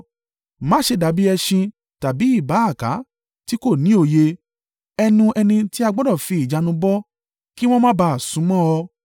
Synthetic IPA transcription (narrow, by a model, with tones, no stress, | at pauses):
mã˦ʃe˧da˨˦bi˦ɛ˧ʃĩ˧ | ta˨bi˨˦i˦˨ba˨˦a˦˨ka˨˦ | ti˦ko˦˨nĩ˨˦o˧˨je˧ | ɛ˧nũ˧ʔɛ˧nĩ˧ti˦a˧ɡ͡bɔ˦dɔ˦˨fi˧i˨d͡ʒa˨˧nũ˧bɔ˦ | ki˦w̃ɔ̃˦mã˦ba˧a˨sũ˨˦mɔ̃˦ɔ˧